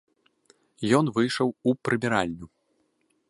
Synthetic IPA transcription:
jɔnvɨjʂɐwupɾɨbʲɛɾalʲnʲu

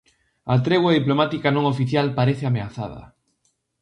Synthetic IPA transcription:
at̪ɾeɣwaðiplomat̪ikanõŋofiθjalpaɾeθɪameaθa̰ðɐ̰

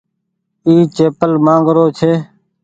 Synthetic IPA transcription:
iːt͡ʃeːpəlmãːŋɡɾoːt͡ʃʰeː

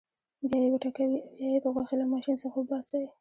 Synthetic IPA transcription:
bjɑjewaʈakawibjɑjed̪oɣwɑxilamɑʃinsaxabɑsawi

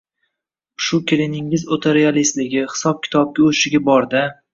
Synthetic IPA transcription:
ʃʊkʲʰɪlɪnɪŋːɪzot̪ʰeɾialist̪lɪɡʲɪχɪ̥sɒp̚kʲʰɪ̥t̪ʰɒb̚ɡʲaoʃɪɡʲabɒɾd̪ɪ

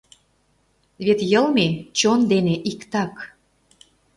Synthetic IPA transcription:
βet̪jɤ̆lmet͡ɕond̪eneʔikt̪ɑk

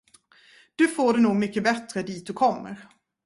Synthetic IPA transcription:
d̪̥ɵfoːɖɛnuːɡmʏkːəbɛt̪ɾəd̪iːt̪̚d̪ɵkʰɔmːə̰ɾ

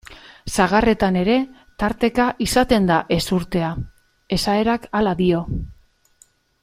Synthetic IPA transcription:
saɣ̞are̞t̪ane̞ɾe̞ | t̪aɾt̪e̞kaʔisat̪e̞nd̪aʔe̞suɾt̪e̞a | e̞sae̞ɾakalaðio̞

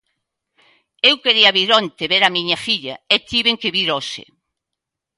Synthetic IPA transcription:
ewkeɾiɐβiɾont̪eβeɾɐmiɲɐfiʎɐet̪iβeŋkeβiɾosḛ

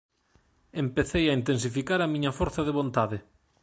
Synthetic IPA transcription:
empeθejɐint̪ens̬ifikaɾɐmĩɲɐfoɾθɐðeβont̪aðɪ

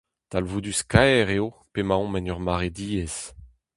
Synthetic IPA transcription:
t̪alvud̪yskaɛʁeopemãɔ̃mɛnœʁmaʁed̪iːɛs

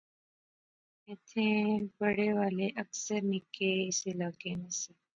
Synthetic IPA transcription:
et̪ʰẽpəɽeʋaːleʔəksəɾnikeselaːkenəse

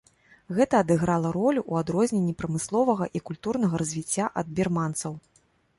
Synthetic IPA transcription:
ɣɛt̪ɐːd̪ɨɣɾalˠɐɾɔlʲuʔuad̪ɾɔzʲnʲenʲːipɾɐmɨslˠɔvɐɣɐʔikulʲt̪urnɐɣɐɾɐzʲvʲit͡sʲːaʔɐd̪̚bʲirmant̪sɐw

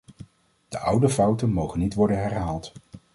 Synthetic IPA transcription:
d̥əʔʌwdəfʌwtənmowχənːitʋɔɹdənɦɛɹɦaːlˠt

